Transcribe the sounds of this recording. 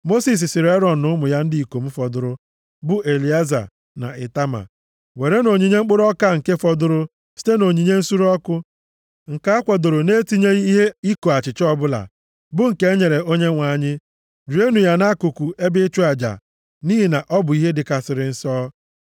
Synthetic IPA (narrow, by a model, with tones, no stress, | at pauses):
mo˦si˨s̬i˨sɪ˨ɾe˦ɾɔ˨d̩˨nʊ˦mʊ˨ja˦n̩˦di˨i˨ko˨m̩˦fɔ˨dʊ˦ɾʊ˦ | bʊ˦ʔe˨li˨a˦za̰˨ | na̰˨ʔɪ˨ta˦ma̰˨ | we˨ɾe˦no˨ɲi˨ɲe˦ŋ͡m̩˦k͡pʊ˦ɾɔ˦ka˦˨ŋ̩˨ke˦fɔ˨dʊ˦ɾʊ˦ | si̥˦te˦no˨ɲi˨ɲe˦n̩˦su˦ɾɔ˦kʊ˦ | ŋ̩˨ka˦a˦kʷɔ˨dʊ˨ɾʊ˨ne˦ti˦ɲe˦i˦ɦe˦i˦ko˨a˨t͡ʃɪ˨t͡ʃɔ˦bʊ˦la̰˨ | bʊ˦ŋ̩˨ke˦ɲe˨ɾe˨o˦ɲe˦ŋʷa˨ɲɪ˦ | d͡ʒu˨˦e˦nu˨ja˦na˦ku˨ku˨ʔe˦bɪ˦t͡ʃu˦a˨d͡ʒa̰˨ | ni˦ɦi˨na˨ʔɔ˦bʊ˨i˦ɦe˦dɪ˨ka˨sɪ˨ɾɪ˨n̩˦sɔ˦